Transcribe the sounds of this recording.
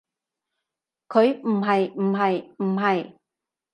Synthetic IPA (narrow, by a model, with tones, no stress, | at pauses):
kʰɵ˨˧ɥm̩˨˩ɦɐ˨jm̩˨˩ɦɐ˨jm̩˨˩ɦɐ˨j